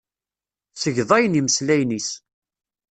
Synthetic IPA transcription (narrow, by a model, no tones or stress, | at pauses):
səʝðˤɑjəniməslæjnis